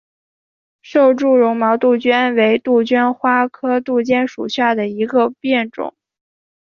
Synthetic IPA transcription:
ʂo˥˧ʊʈ͡ʂu˥˩ɻʊ˧˥ŋmɑ˧˥ʊt̪u˥˩t͡ɕɥɛ˥nwe˧˥ɪt̪u˥˩t͡ɕɛ˥nxwa˥kʰɤ˥t̪u˥˧t͡ɕjɛ˥˩nʂṵ˨˩ɕja˥˩d̪ə˩i˧˥ɡə˧pjɛ˥˩nʈ͡ʂʊ̰˨˩˦ŋ

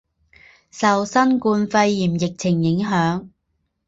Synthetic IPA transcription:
sɐ˨wsɐ˥nkuː˧nfɐ˧jːiː˨˩mjɪ˨k̚t͡sʰɪ˨˩ŋjɪ˨˥ŋɦœː˨˥ŋ

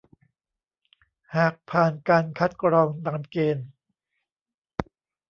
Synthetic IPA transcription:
haː˨˩k̚pʰaː˨˩nkaː˧nkʰa˦˥t̪̚kɾɔː˧ŋt̪aː˨˧˩nkeː˧n

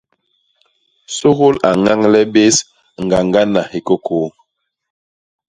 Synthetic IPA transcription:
so˦ɣo˦la˨ŋa˦ŋlɛ˦be˦s | ŋ̩˨ɡa˨ŋɡa˦na˨he˨ko˦kʰo˨˦

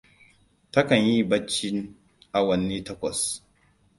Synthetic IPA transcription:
tɐ˦kɐ˨ɲji˦bɐ˦t͡ʃːi˦n | ʔa˨wɐ˨nːiː˦tɐ˦kʷɔ˨s

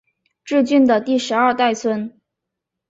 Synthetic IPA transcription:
ʈ͡ʂɻ̩˥˧t͡ɕy˥˩nd̪ə˩t̪i˥˩ʂɻ̩˧˥ɐ˞˥˧t̪a˥˩ɪt͡sʰwə˥n

